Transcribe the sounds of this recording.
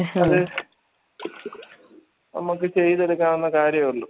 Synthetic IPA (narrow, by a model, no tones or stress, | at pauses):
ɐðɨ | nɐ̰muk̬ːɨt͡ɕe̞jːðɐlukʲːaːɳunːɐkaːɾjɐmuɭːu